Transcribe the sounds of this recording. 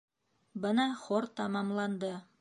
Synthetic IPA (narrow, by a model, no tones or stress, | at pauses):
bɤnɑχoɾt̪ɑmɑmlˠɑnd̪ɤ